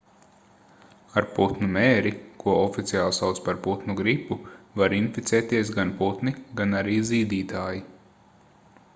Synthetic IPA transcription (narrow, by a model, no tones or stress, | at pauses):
aɾput̪numɛːɾikʰuɔɔfit̪siaːlˠsawt̪spaɾput̪nuɡɾipːuvaɾinfit̪sɛːt̪iɛs̬ɡanput̪niɡanaɾiːziːd̪iːt̪aːji